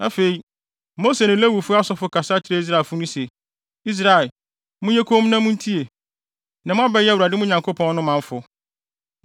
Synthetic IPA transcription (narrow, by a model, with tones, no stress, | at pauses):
a˦fe˨i˨ | mo˦se˨nʊ̃˨˦læ˦wu˨fʊ˦a˦sɔ˦fʊ˦kʰa˨sa˦tʰɪ˦ɾe˦i˦s̬ɾa˨fʊ˦nʊ̃˦sɛ˨ | i˦s̬ɾa˨ | mʊ̃˦jɛ˦kʰo˦m˦nã˦mʊ̃˦n̩˦tʰi˦e˨ | nã˨mʊ̃˦a˦bɛ˦ju˨ɾa˨dɪ˦mʊ̃˦ɲã˨ŋkʰo˦pʰɔ̃˦nː˦ʊ̃˦mã˨ɱ˦fʊ˨